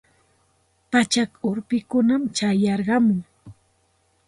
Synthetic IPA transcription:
pat͡ʃakʊɾpɪkʊnamt͡ʃajɑɾɢɑmʊŋ

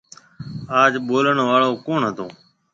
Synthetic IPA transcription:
aːd͡ʒɓoːləɳʋaːɭoːkoːɳɦət̪õː

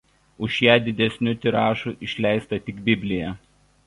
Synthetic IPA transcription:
ʊʃjæːd̪ʲɪd̪ʲɛsʲnʲʊt̪ʲɪɾɑːʃʊʔɪʃʲlʲæˑɪst̪ɐt̪ʲɪkbʲɪbʲlʲɪjɛ

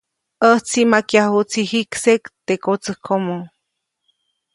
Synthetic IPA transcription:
ʔəht͡simakjahut͡sʰihiksekt̪ekot͡səhkʰomo

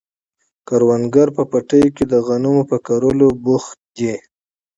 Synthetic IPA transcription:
kaɾwanɡaɾpəpaʈəjoked̪əɣanumopəkaɾolobʊxt̪̚d̪e

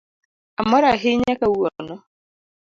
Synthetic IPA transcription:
amɔɾaɦɪɲekauɔnɔ

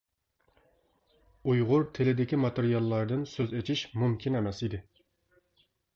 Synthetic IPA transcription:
ujʁʊɾt̪ʰɪlɪd̪ɪkʲimɑt̪eɾijɑlˠːɑɾd̪ɨnsøzet͡ʃʰiʃmumkʲʰinɛmɛsid̪ɪ

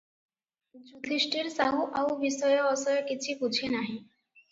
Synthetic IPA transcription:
d͡ʑut̪ʰisʈiɾsaɦuʔawʋisɔjɔːsɔjkit͡ɕʰibud͡ʑʰʱenaɦĩ

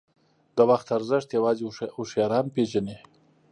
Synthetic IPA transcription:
d̪əwaxt̪aɾzəʂt̪jawɑːziʊʃjɑɾɑnpeʒane

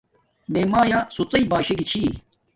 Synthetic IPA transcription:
meːmaːjãːsut͡sɐibaːɕeɡit͡ɕʰiː

